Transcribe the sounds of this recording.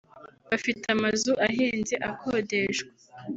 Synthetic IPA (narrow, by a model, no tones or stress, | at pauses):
βafitamazuʔaɦiːnzeʔakʰoːdeʃɡe